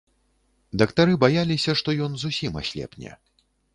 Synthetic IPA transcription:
d̪ɐkt̪aɾɨbajalʲisʲɐʂt̪ɔjɔnzusʲima̰sʲlʲɛ̰pnʲɛ̰

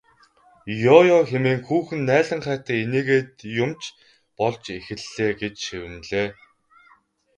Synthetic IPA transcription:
jɔjɔxemeːŋxuːxɘ̆nːæːɮə̆ɴχæːt̪æːeneːɣeːt̪jʊmt͡ɕ | pɔɮt͡ɕexɘ̆ɮːeːɡet͡ɕʃiwɘ̆mɮeː

